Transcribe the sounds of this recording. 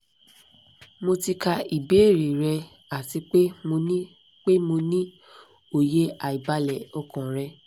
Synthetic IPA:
mo˧ti˧ka˧i˨be˨˦˨ɾi˨ɾɛ˧ | a˨ti˧k͡pe˦mo˧nĩ˦ | k͡pe˦mo˧nĩ˦ | o˨je˦a˨i˨ba˧˦lɛ˨ɔ˦kɔ̃˨ɾɛ˧

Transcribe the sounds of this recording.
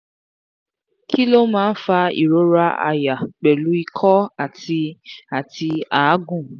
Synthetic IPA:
ki˦lo˦mãː˦n̩˦fa˧ḭ˨ɾo˨˦ɾa˦a̰˧ja˨k͡pɛ˨lu˨˦i˧kʰɔ˦a˦˨ti˧a˨ti˧a˨˦ɡũ˦˨

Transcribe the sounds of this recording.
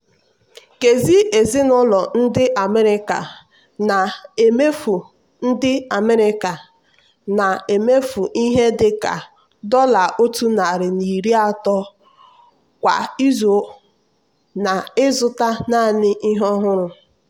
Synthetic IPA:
ke˨zi˦ʔe˨zi˦nʊ˦lɔ˨n̩˦dɪ˦ʔa˨me˦ɾɪ˦ka̰˨ | na˨e˨me˦fu˨ | n̩˦dɪ˦a˨me˦ɾɪ˦ka˨ | na˨e˨me˦fu˨ʔi˦ɦe˦dɪ˨ka̰˨ | dɔ˦la˨o˦tu˦na˨ɾɪ˨ni˨ɾi˦a˦tɔ˦ | kʷa̰˨i˦zo˨˦ | na˨ɪ˦zʊ˦ta˦na˦˨nɪ˦ʔi˦ɦɔ˦ɦʊ˦ɾʊ˨

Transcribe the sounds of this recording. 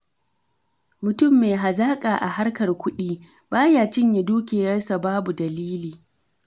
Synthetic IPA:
mʊ˨tʊ˦˨mːeː˨ɦa˨zaː˦kʼaː˨ʔa̰˨ha˦ɽkɐ˨rkʷʊ˦ɗiː˦ | baː˦jaː˨t͡ʃɪ˦ɲji˨duː˦kʲeː˨jɐ˦rsa˨baː˦bu˨dɐ˨liː˦liː˨

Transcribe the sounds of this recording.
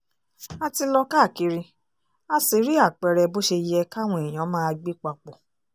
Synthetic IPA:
a˧ti˧lɔ˧ka˦˨ki˨˦ɾi˧ | a˧si˨˦ɾi˦a˦˨k͡pɛ˧ɾɛ˧bo˦ʃe˧jɛ˧ka˦˨w̃ɔ̃˧ɛ˨j̃ã˨˦mãː˦a˧ɡ͡be˦k͡pa˧k͡pɔ˨

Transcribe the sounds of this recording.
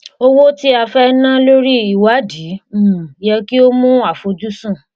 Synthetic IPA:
o˦wo˦ti˦a˧fɛ˦nã˦lo˦ɾi˦i˨wa˨˦di˨˦˨jɛ˧ki˦o˦mũ˦a˦˨fo˧d͡ʒu˦sũ˦˨

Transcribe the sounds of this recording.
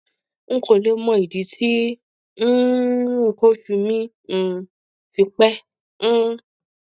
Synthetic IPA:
ŋ̩˦kʰo˧˨le˦mɔ̃˦i˨di˨˦tʰi˦ | n̩˦˧ | ko˦ʃu˧mĩ˦˧ | fi˧k͡pɛ˦ | ñ̩˦

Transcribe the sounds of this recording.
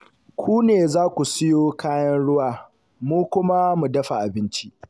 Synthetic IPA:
kʷʰuː˦neː˨zaː˦kʷu˨sɪ˦joː˦kaː˦jɐ˦nɽʊ˦waː˦ | muː˦kʷʊ˦ma˦mu˨dɐ˦ɸa˨ʔa˨bɪ˦nt͡ʃi˦ʔ

